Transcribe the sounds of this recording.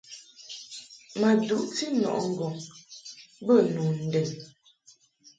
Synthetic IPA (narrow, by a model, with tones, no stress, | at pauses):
mə˨du˨ʔti˦nɔ̰˨ʔŋ̩˨ɡɔ˨ŋ | bə˦˨nu˨n̩˨dɛ˨n